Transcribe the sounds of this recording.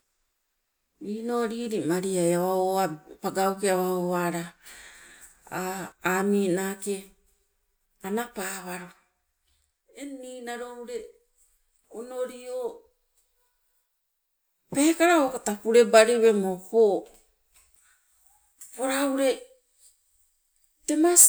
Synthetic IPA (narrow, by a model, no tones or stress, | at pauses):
inoɾiːɾimaɾiajaβaoapaɡawkeaβaoaɾa | aamiːnaːke̞ | anapaːβaɾo | eniːnaɾouɾe̞ | ono̞ɾio | pe̞ːkaɾaokatapuɾe̞baɾeβe̞moho | poɾauɾe̞ | te̞mas